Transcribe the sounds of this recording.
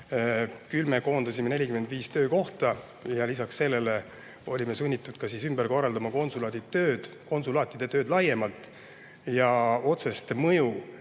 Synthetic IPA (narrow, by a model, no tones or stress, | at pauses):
kylme̞ko̞ːnd̪ɑsʲimene̞lʲikymed̪̥viːst̪ø̞ːko̞ht̪ɑ | jɑlisɑksːe̞lːe̞le̞ | o̞lʲime̞sunʲːit̪ːˑud̪̥kɑsiːsymbeɾko̞rːɑld̪̥ɑmɑko̞nsulɑːd̪it̪ø̞ːd̪̥ko̞nsulɑːt̪ːˑid̪̥e̞t̪ø̞ːd̪lɑje̞mɑlt̪ːˑ | jɑo̞t̪se̞st̪mɤju